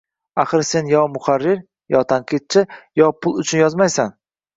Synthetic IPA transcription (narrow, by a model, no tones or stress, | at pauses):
aχɨɾse̞njɒmʊχaɾːɪɾ | jɒt̪ʰaŋqʰɨt̪̚t͡ʃʰɪjɒpʰʊlˠʊt͡ʃʰʊnjɒzmajsan